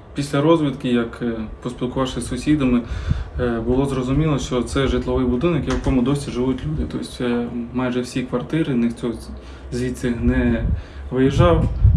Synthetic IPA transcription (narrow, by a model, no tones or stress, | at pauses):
pʲisʲlʲɐɾɔzʲʋʲit̪kɪjɐkpɔsʲpʲilˠkʊʋɑʃɪsʊsʲid̪ɐmɪ | bʊlˠɔzɾɔzʊmʲilˠɔʃt͡ʃɔt̪sɛʒɪt̪lˠɔʋɪjbʊd̪ɪnɔɐkjejkɔmʊd̪ɔsʲiʒɪʋutʲlʲud̪ɪt̪ɔsʲtʲmɑjʒɛwsʲikʋɐrt̪ɪɾɪnɪxt̪ʲɔ | zʲʋʲit͡s̪ʲɐnɛ | ʋɪjiʒɑw